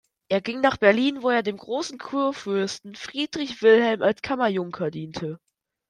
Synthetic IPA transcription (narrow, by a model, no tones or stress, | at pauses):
ʔeːɐɡɪŋnaːχb̥ɛɐliːnvoːeːɐdeːmɡʁoːsn̩kʰuːɐfʏɐstn̩fʁ̥iːdʁɪçv̥ɪlhɛlmalskʰamɐjʊŋkʰɐdiːntʰə